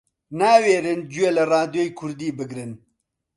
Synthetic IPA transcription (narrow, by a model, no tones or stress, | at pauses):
naːweːɾɨnd͡ʒuelɨrɑːd̪joːjkʰʊɾd̪iːbɨɡɾɨn